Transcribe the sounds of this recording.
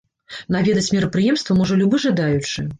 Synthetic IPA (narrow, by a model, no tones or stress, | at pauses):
navʲɛd̪ɐt͡sʲmʲiɾɐpɾɨjɛmst̪vɐmɔʐɐlʲubɨʐad̪ajut͡ʂɨ